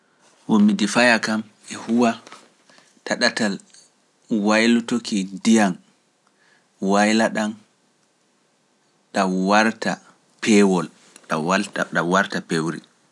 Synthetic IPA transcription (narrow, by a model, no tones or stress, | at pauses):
womːidifajakam | ɛhuwa | taɗatal | wajlutokidijan | wajlaɗan | ɗawaɾta | pʰɛwɔl | aɗawaɾtapewɾḭ